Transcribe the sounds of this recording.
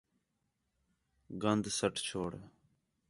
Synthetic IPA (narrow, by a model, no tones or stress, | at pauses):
ɡənd̪səʈʰt͡ʃʰoːɽ